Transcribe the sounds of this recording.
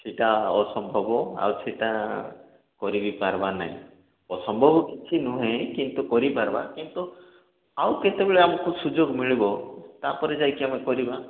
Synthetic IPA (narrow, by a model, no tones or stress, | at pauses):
siʈaɔsɔmbʱɔbɔa̰wsiʈa | kɔɾibipaɾbana̰ɦḭ̃ | ɔsɔmbʱɔbɔkit͡ʃʰinũɦẽkint̪ukɔɾipaɾba̰kint̪u | awket̪ebeɭeamɔkusud͡ʒoɡmiɭibɔt̪apɔɾed͡ʒajkiamekɔɾiba